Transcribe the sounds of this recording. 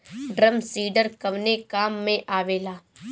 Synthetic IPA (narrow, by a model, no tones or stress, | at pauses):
ɖɾəmsiːɖəɾkəʋneːkaːmːẽːʔaːʋeːlaː